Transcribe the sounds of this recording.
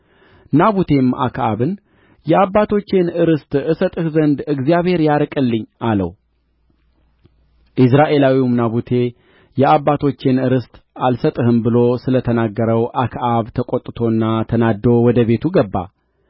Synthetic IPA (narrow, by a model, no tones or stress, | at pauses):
naβut̪ʰe̞mʔa̰kʰʔaβɨn | jɛabːat̪ʰo̞t͡ʃːenɨɾɨst̪ʼɨsət̪ʼɨhzənd̪ɨɡzijaβhe̞ɾjaɾkʼɨlːɨɲːʔalə̰w | ʔɨs̬ɾaʔe̞lawimnaβut̪ʰe̞ | jɛabːat̪ʰo̞t͡ʃːɪnɨɾɨst̪ʼalsət̪ʼɨhɨmbɨlo̞sɨlət̪ʰənaɡːəɾəwʔakʰʔaβt̪ʰəkʼot̪ʼːɨt̪ʰo̞ɨnːat̪ʰənad̪o̞wɔd̪əβe̞t̪ʰuɡəbːa̰